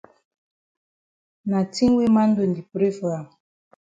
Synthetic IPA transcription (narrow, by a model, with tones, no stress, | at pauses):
na˨ti˦ŋ˦we˦ma˦n̩˦do˨n˨di˨pɾe˦fa˨m